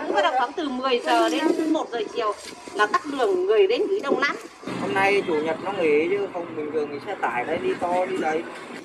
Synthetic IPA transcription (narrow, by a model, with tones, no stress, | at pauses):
ŋ͡mkɔː˨˦˥ɗa˨˩w̚a˨˦nt̪ɨ˨˩mɨ˨˩əjzəː˨˩ɗe˨˦nt̪ʰɨ˧˦mo˨˩t̚zəː˨˩t͡ɕi˨˩əwlaː˨˩t̪a˦˥k̚ɗɨ˨˩əŋːɨ˨˩əjɗe˨˦nkɨ˨˦ɗə˧wŋ͡mna˧˦˥t̚ | ho˧mna˧jt͡ɕu˧˩ɲə˨˩t̚nɔ˨˧˦ŋe˨˦t͡ɕɨ˧fə˧wŋ͡mmi˨˩ŋ̟vɨ˨˩əŋʰ˨˩sɛ̰˧˥t̪a̰ː˧˨jɗə˨˦ɗi˧t̪ɔ˧ɗi˧ɗə˨˦j